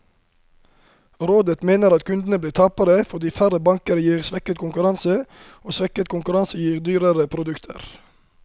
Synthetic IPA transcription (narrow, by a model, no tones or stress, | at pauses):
ɾoːd̪ət̪meːnəɾɑt̪kʰʉnd̪n̩əbliːt̪ʰɑpəɾəfɔd̪iːfæɾəbɑŋkəɾəjiːʁsʋɛkət̪kʰʊŋkʉɾɑnsə | oːsʋɛkət̪kʊŋkʉɾɑnsəjiːʁd̪yːɾəɾəpʰɾʊd̪ʉkt̪ʰə̰ɾ